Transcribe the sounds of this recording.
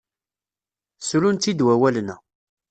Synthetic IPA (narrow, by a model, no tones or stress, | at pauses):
sɾunt̪id̪wæwælnæ